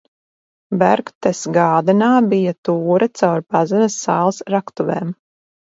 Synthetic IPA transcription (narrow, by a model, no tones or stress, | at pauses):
bæɾɡt̪ɛsɡaːd̪ɛnaːbijat̪uːɾɐt̪sawɾpazɛnɐsːaːlˠsɾakt̪uveːm